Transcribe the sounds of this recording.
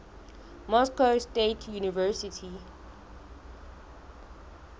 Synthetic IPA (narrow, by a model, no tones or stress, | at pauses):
mɔskawstetʰjunivɜsitʰi